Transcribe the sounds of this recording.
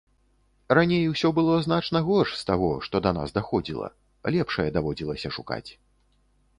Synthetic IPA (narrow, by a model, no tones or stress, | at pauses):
ɾanʲejwsʲɔbɨlˠɔznat͡ʂnɐɣɔʂst̪aɣɔʂt̪ɔd̪ɐna̰sd̪axɔd͡zʲilˠɐ̰ | lʲɛpʂɐjɛd̪avɔd͡zʲilˠɐsʲɐʂuka̰t͡sʲ